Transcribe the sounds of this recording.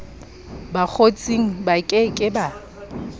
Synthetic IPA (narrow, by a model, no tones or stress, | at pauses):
bak͡xʰot͡sʼiŋ̩bakʼɪkʼɪba